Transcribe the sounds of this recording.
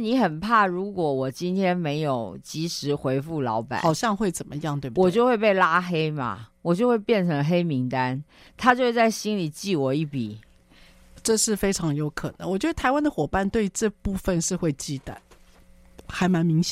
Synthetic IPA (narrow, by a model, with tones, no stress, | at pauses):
ni˧˥xə˨˩npʰa˥˩ɻu˧˥kwɔ˨˩wɔ˨˩t͡ɕi˦˥nt̪ʰjɛ˥nme˧˥ɪjo˨˩ʊt͡ɕi˧˥ʂɻ̩˧˥xwe˧˥ɪfu˥˩lɑ˧˥ʊpa̰˨˦xɑ˨˩ʊɕjɑ˥˧ŋxwe˥˩ɪt͡sə˨˩nmə̰˦jɑ˥˧ŋt̪we˥˩˨wɔ˧˨˩t͡ɕjo˥˧ʊxwe˥˧ɪpe˥˩ɪla˥xe˥ɪma̰˨wɔ˨˩t͡ɕjo˥˧ʊxwe˥˧ɪpjɛ˥˩nʈ͡ʂʰɤ˧˥ŋxe˥ɪmi˧˥ŋt̪a˦n | t̪ʰa˥t͡ɕjo˥ʊʂt͡sa˥˩ɪɕi˥nli˨˩t͡ɕi˥˩wɔ˨˩i˥˩pḭ˨˩˦ | ʈ͡ʂɤ˥˧ʂɻ̩˥˩fe˥ɪʈ͡ʂʰɑ˧˥ŋjo˧˥ʊkʰɤ˨˩nə̰˧˦ŋwt͡ɕɥɛ˧˥d̪ə˧t̪ʰa˧˥ɪwa˥nd̪ə˨xwɔ˨˩pa˥˧nt̪we˥˧ɪʈ͡ʂɤ˥˧pu˥˧fə˥˧nʂɻ̩˥˧xwe˥˧ɪt͡ɕi˥˩t̪ə̰˩ | xa˧˥ɪma˧˥nmi˧˥ŋɕj